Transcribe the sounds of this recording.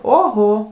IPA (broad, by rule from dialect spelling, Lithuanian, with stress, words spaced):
oːˈɣoː